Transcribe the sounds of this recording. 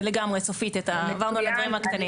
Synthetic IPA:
leɡamʁet͡sofit̪et̪avaʁnualedvaʁimhakt̪ani

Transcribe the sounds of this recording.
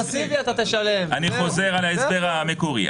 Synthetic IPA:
asiviat̪at̪eʃale̞maniχo̞ze̞ʁalaesbeʁamekuʁḭ

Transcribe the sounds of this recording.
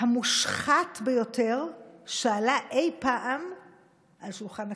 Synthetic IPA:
hamuʃχatbejo̞tʰeʁʃaːlaʔejpaʔam | ʔalʃulχana

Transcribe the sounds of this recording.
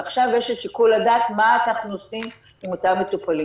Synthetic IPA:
aχʃavjeʃetʃikuladaːtmaːnaχnuosim | imo̞tamːetupali

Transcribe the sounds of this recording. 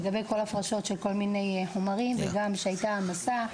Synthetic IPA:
ɡabeko̞laafʁaʃo̞tʃe̞lko̞lmine̞jħomaʁimveɡamʃeajtaːmasa

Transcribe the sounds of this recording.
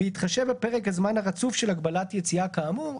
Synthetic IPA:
it̪χaʃevbepeʁekhazmanhaʁat͡sufʃe̞lhakbalatjet͡siakaːmu

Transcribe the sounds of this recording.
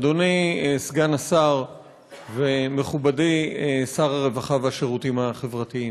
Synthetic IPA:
donisɡanasaʁ | veme̞χubadisaʁaʁe̞vaχaveaʃeʁutimhaχe̞vʁatiim

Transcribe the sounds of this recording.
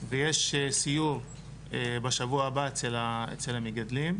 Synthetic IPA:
vejeʃesijuʁ | ebaʃavuaːbaet͡selaḛt͡selamiɡad̪lim

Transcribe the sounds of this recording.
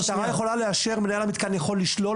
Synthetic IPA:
tamajeχo̞laleaʃe̞ʁmenajalamit̪kanjaχo̞lːiʃlo̞

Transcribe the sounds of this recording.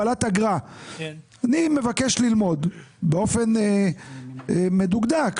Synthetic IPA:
alat̪aɡʁa | anime̞vake̞ʃlilmo̞d̪beo̞fe̞n | me̞d̪uɡd̪ak

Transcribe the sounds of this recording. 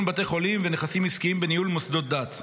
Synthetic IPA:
mbat̪̬e̞χo̞limveneχasimiskiimbenijulmosd̪o̞t̚d̪at̪

